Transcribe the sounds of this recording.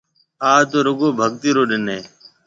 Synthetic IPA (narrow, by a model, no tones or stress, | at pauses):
aːt̪oːɾʊɡoːbʱəɡ̚t̪iːɾoːɗɪneː